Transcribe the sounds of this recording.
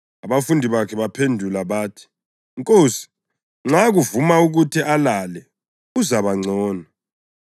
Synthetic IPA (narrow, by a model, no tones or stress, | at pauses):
aβafundʱiβakʰɛβapʰendʱulaβaːtʰi̥ | ŋkʼoːsi̥ | ŋ͡ǁaɣuvumauɣutʰiʔalalɛ | uzaβaŋ͡ǀɔːna